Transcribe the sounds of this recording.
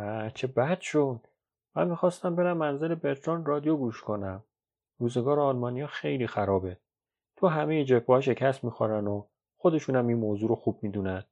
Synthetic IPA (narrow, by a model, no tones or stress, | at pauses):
æt͡ʃʰebæd̪̥ʃod̪̥̚ | mæ̰nmixɒːst̪æmbe̞ɾæmːænzelebet̪ʰɾɒnrɒːd̪ijoɡuːʃkʰonæm | ruːzeɡɒːɾeɒlmɒːnijɒːxe̞jliːxæɾɒːbe̞ | t̪ʰoɦæmejed͡ʒepʰːɒːʃ̬e̞cʰæst̪miːxoɾæno | xod̪e̞ʃuːnæminmoːzuːɾoxuːb̥̚miːd̪uːnæn